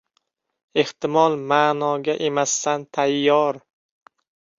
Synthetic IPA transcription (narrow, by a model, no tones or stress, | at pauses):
e̞ht̪ɪmɒlˠmaːnɒɡʲaʔe̞mast̪ant̪ʰajːɒɾ